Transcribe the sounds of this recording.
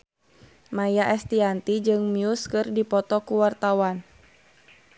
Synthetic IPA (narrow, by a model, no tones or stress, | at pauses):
majaʔɛst̪iant̪id͡ʒɨŋmiuskɨrdipɔt̪ɔkuwart̪awan